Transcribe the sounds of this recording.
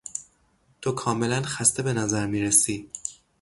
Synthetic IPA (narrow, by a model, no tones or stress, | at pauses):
t̪ʰokʰɒːme̞lænxæst̪e̞be̞næzæɾmiːɾesiː